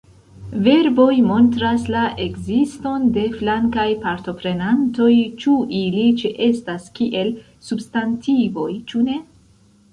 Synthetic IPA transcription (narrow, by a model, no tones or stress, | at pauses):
ve̞ɾbo̞jmo̞ntɾaslaʔe̞ɡzisto̞nde̞flaŋkajpaɾto̞pɾe̞nanto̞jt͡ʃuʔilit͡ʃeʔe̞staskiʔe̞l | substantʰivo̞jt͡ʃune̞